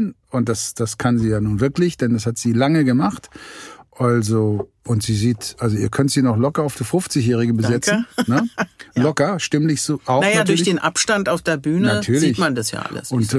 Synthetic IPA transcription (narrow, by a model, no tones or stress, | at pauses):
nʔʊnt̚d̥asd̥askʰanziːjaːnuːnvɪɐklɪçd̥ɛndashatz̥iːlaŋəɡəmaχtʔalzo | ʔʊntz̥iːziːtʔalzoiːɐkʰœntz̥iːnɔχlɔkɐaʊfd̥iːfʊft͡sɪçjɛːʁɪɡəbəzɛt͡sn̩nəlɔkɐʃtɪmlɪçz̥uʔaʊnajadʊɐçdeːnʔa̰pʃtantaʊfd̥eːɐbyːnnatʰyːɐlɪçmandasja̰ːʔa̰lə̰sʊnt